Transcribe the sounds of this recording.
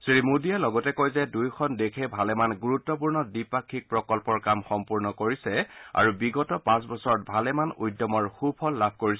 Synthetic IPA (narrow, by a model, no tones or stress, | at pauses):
sɹimudiɛlɔɡɔtɛkojzɛdujkʰɔndekʰɛbʱalɛmanɡuɹutːɔpuɹnɔdipakʰːik̚pɹɔkɔlkpɔɹkamxɔmpuɹnɔkoɹisɛa̰ɹubiɡɔtɔpãs̬bɔsɔɹɔt̚bʱalɛmanujdɔmɔɹxubʰʱɔlːab̚ʱkoɹisɛ